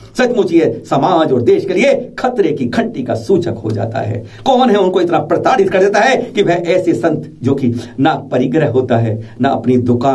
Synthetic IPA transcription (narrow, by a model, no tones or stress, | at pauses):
sɐt͡ʃ̪mut͡ʃiesɐmaːd͡ʒɔːɾd̪eːʃkeliekʰɐt̪ɾekikʰɐ̃ɳʈikasuːt͡ʃəkɦo̰d͡ʒa̰ːt̪a̰ɦɛ̰ː | kɔːnɦɛʊnkoɪt̪napɾɐt̪aːɾɪt̪kɐɾd̪eːt̪aɦɛkiʋɛɦʔɛːsesɐ̃nt̪d͡ʒoːkinapɐɾɪɡɾəɦɦoːt̪aɦɛːnaɐ̰pnid̪ʊkaː